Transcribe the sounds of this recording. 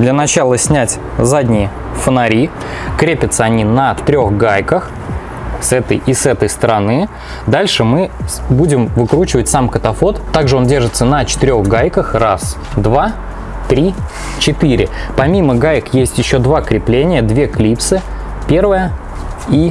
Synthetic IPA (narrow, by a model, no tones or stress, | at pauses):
d̪lʲənɐt͡ɕalˠəsʲnʲætʲ | zadʲnʲɪjɪ | fənɐɾʲikɾʲepʲət̪səɐnʲinət̪ɾʲo̞xɡajkəx | sɛt̪ə̰jʔɪsɛt̪əjst̪əɾɐnɨ | d̪alʲʂɨmɨbudʲɪmvɨkɾut͡ɕɪvətʲsamkət̪ɐfo̞t̪t̪ːaɡʐɨo̞ndʲe̞rʐɨt̪sənət͡ɕɪ̥t̪ɨɪɾʲo̞ɣɡajkəxras | d̪va | t̪ɾʲi | t͡ɕɪt̪ɨɾʲɪ̰pɐmʲiməɡajɪkjesʲtʲjɪɕːo̞d̪vakɾʲɪplʲenʲɪjəd̪vʲe̞klʲipsɨ | pʲe̞rvəjə | i